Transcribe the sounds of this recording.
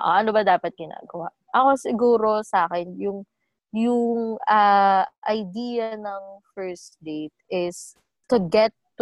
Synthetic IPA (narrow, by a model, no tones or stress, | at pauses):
ʔo̰ʔɐnobɐd̪aːpɐt̪̚ɡɪna̰ːɡɐwaʔʔɐkosɪɡuːɾo̞saːkɛnjʊŋ | jʊŋɐʔɐjd̪iːjɐnɐŋfɛɹsd̪ejt̪̚ɪs | t̪ʊɡɛt̪ː